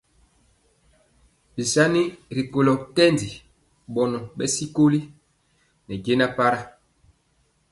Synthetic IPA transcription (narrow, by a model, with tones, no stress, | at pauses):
bi˨sa˦ni˦ɾi˨ko˨lɔ˨kɛ˦ndi˨ | ɓɔ˨nɔ˨ɓɛ˦si˦ko˦li˦ | nɛ˨ɡe˦na˦pa˦ɾa˦